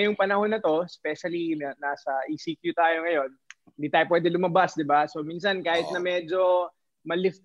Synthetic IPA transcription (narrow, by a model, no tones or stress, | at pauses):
ɐjʊŋpɐnɐho̞nɐt̪o̞spɛʃɐliɐnaːsɐʔisikjut̪aːjo̞ŋɐjo̞nhɪnd̪iːt̪aːjopwɛːd̪ɛlʊmɐbasd̪ɪbaso̞miːnsɐnkaːhɪt̪nɐmɛːd͡ʒo̞ | mɐlɪft̪